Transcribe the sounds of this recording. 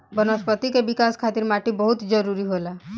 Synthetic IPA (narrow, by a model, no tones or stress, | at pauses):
bənəspət̪ikebikaskʰat̪iɾmaʈibəɦut̪d͡ʒəɾuɾiɦola